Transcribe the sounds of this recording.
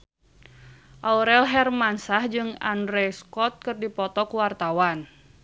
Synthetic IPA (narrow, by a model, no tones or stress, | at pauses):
ʔauɾɛlɦɛrmansahd͡ʒɨŋa̰ndɾɛskɔt̪̚kɨrdipɔt̪ɔkuwart̪awan